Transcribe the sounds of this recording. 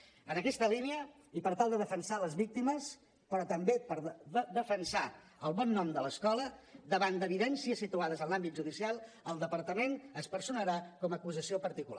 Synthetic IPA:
ənəkɛst̪əliniə | ipəɾt̪alˠd̪əðəfənsaləzβik̚t̪iməs | pɾɔt̪əmbepəɾəd̪əfənsa | əlˠβɔnːɔmd̪ələskɔləd̪əβand̪əβiðɛnsiəsit̪uaðəzənlambit̪ʒuðisialˠ | əlˠd̪əpəɾt̪əmenəspəɾsunəɾakɔməkuzəsiopəɾt̪ikula

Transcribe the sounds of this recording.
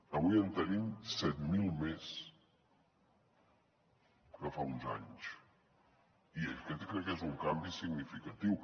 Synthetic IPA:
əβujənt̪ənimsɛt̪milˠmes | kəfaunza̰ɲs | iḛkɛt̪kɾɛkːezuŋkambisiɡnifikət̪iw

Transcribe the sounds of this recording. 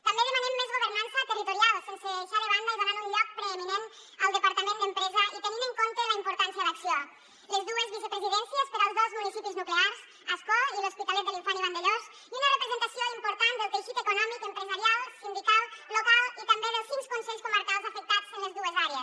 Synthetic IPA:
t̪əmbeðəmanemːezɣuβərnansət̪ərit̪uɾialˠsenseːʃaɾəβ̞and̪əiβanaɾuɲʎɔk̚pɾeeminen | əlˠd̪əpaɾt̪əmẽnəmpɾɛzəʔit̪əniməŋkont̪ələimpuɾt̪ansiəðəksio | ləzðuəzβisəpɾəziðɛnsiəspəɾəlˠzðozmunisipiznukleaɾz | əskɔiluspit̪alɛt̪̚əlifɔniβand̪əʎoz | iunərəpɾəzənt̪əsioimpuɾt̪and̪əlˠpɾiʃit̪əkunɔmikəmpɾəzəɾialˠsind̪ikalˠːokalˠit̪əmbeðəlˠsinskunsɛʎskuməɾkalˠzəfək̚t̪at͡sənləzðuəzaɾeəs

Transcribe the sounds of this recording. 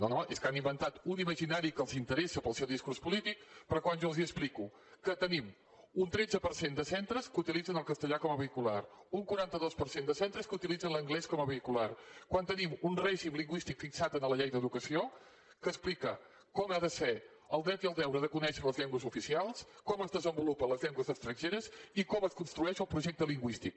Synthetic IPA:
nonoʔeskanimbənt̪at̪uniməʒinaɾikəlˠzint̪əɾesəpəlˠsewðiskuɾspulit̪ik̚pəɾɔkwanʒɔəlˠziəspliku | kət̪ənim | unt̪ɾɛdd͡zəpəɾsend̪əsɛnt̪ɾəskut̪ilid͡zənəlˠkəst̪əʎakɔməβəikulaɾuŋkwuɾant̪əðospəɾsend̪əsent̪ɾəskəut̪ilidd͡zənləŋɡlɛskɔməβəikularkwant̪ənimunrɛʒimliŋɡwist̪ikfiksat̪ənələʎejðəðukəsio | kəsplikə | kɔmaðəse | əlˠd̪ɛwt̪iəlˠd̪ɛwɾəðəkunɛʃələzʎɛŋɡwəzufisialˠskɔməzðəzəmbulupənləzʎɛŋɡwəzəkst̪ɾənʲʒeɾəzikɔməskunst̪ɾuɛʃəlˠpɾuʒɛk̚t̪əliŋɡwist̪ik̚

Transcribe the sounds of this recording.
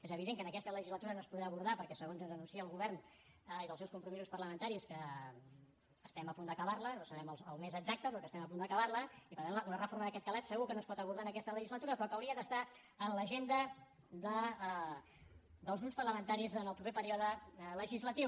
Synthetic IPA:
ezəβ̞iðeŋkənəkɛst̪ələʒizlət̪uɾənoəspuðɾaəβuɾðapəɾkɛsəɣonzuzənunsiəːlˠɣuβɛrn | iðəlˠsɛwskumpɾumisuspərləmənt̪aɾiskə | əst̪ɛməpund̪əkəβarlənosəβɛmələlˠmezəɡzak̚t̪əpɾɔkəst̪ɛməpund̪əkəβarləipəɾt̪anunərəfoɾməðəkɛt̪kəlat̪səɣukənoəspɔt̪əβuɾðanəkɛst̪ələʒizlət̪uɾəpɾɔkəwɾiəðəst̪a | ənləʒend̪ə | ðə | ðəlˠzɣɾupspərləmənt̪aɾizənəlˠpɾupepəɾiɔðələʒizlət̪i

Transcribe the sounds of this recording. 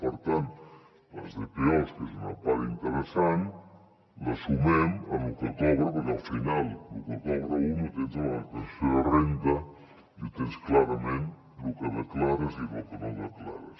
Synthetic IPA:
pəɾt̪ant̪ | ə̰zðepiɔskezunə̰paɾint̪əɾəsan | ləsumɛməmukot̪ɔβɾəpəɾkalˠfinalˠluket̪ɔβɾəunik̪enzalt̪ensfeərent̪ə | it̪ensklaɾəmẽn | lukəðəklaɾəzilukənõnd̪əkla̰ɾəs

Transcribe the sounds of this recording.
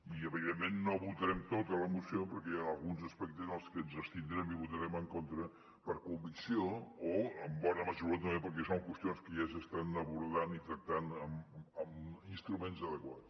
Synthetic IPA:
iəβiðemːenːoβut̪əɾɛmt̪ot̪ələmusiopəɾkɛəlˠɣunzəspɛk̚t̪əzðəlˠskənzəst̪ind̪ɾɛmiβut̪əɾɛməŋkont̪ɾə | pəɾkumbiksioː | əmbɔnəməʒuɾot̪əmbepəɾk̬ɛsoŋkwəst̪ionskəʒasəst̪anəβuɾðanit̪ɾək̚t̪anəməminst̪ɾumenzəðəkwat͡s

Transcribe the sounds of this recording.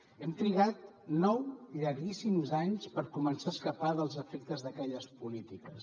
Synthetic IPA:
ɛmt̪ɾiɣat̪̚ | nɔwʎaɾɣisimzaɲspəɾkumənsaəskəpaðəlˠzəfɛk̚t̪əzðəkɛʎəspulit̪ikəs

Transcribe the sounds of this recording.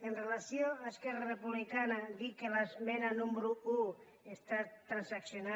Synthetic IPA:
enrelasjoaeskɛrarepuβlikanaðikelazmenanumbɾuu | est̪at̪ɾansaksjona

